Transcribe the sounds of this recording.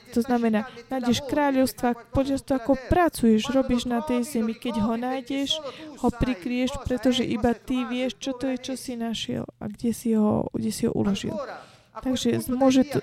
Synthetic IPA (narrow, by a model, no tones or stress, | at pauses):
t̪ɔznamɛnaːnajɟɛʃkɾaːʎɔʊst̪ʋapɔʎast̪aakɔpɾat͡sujɛʒɾɔbiʒnat̪ɛjzɛmikɛɟɦɔnaːjɟɛʃhɔpɾikɾijɛʃpɾɛt̪ɔʒɛʔibat̪iʋɪɛʃt͡ʃɔt̪ɔjɛt͡ʃɔsinaʃɪɛ̰la̰ɡɟɛsiɦɔ̰ɡɟɛsiɦɔ̰ʔṵlɔʒḭl | t̪aɡʒɛzmʊɔʒɛt̪